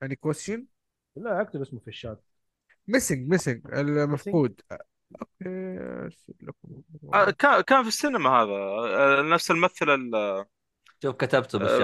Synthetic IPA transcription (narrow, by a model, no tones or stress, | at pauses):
jaʕnikwastɪn | laʔak̚t̪ɪbʔɪsmʊfiʃːaːd̪̚ | mɪsɪŋɡmɪsɪŋɡɪ̰lmafquːd̪ | ʔoːkḛːsɪ̰lakʊmakaːkaːnfisːiːnamahaːðanafsalmaθɪlal | ʃuːfkat̪abt̪b